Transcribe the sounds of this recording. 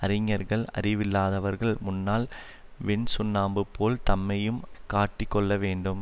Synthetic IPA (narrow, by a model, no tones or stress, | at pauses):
ɐɾɪŋːɐɾɣɐɭɐ̰rɪʋɪlːaːðɐʋɐɾɣɐɭmʊnːaːl | ʋɛnsʊnːaːmbɯpʰːoːlt̪ɐmːɐjɯmkaːʈːɪkːɔɭːɐʋeːɳɖɯm